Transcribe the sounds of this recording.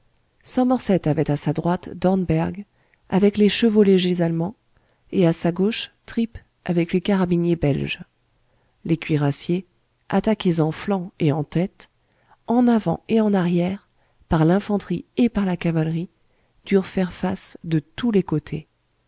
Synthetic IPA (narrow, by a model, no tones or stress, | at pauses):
sɔ̃mɔʁsɛt̪avɛt̪asad̪ʁwat̪d̪ɔʁnbɛʁɡ | avɛkleʃəvoleʒezalmɑ̃ | easaɡoʃt̪χip | avɛklekaʁabinjebɛlʒ | lekʲɥiʁasje | at̪akʲezɑ̃flɑ̃eɑ̃t̪ɛt̪ | ɑ̃navɑ̰̃eɑ̃naʁjɛʁ | paʁlɛ̃fɑ̃t̪χiepaʁlakavalʁi | d̪̥yʁfɛʁfasd̪ət̪ulekot̪ʰe